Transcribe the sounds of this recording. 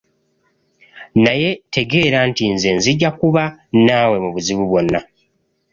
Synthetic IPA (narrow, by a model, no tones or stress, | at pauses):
naje̞te̞ɡe̞ːɾaːntinze̞nziɟːakuβanaːwe̞muβuziβuβwo̞nːa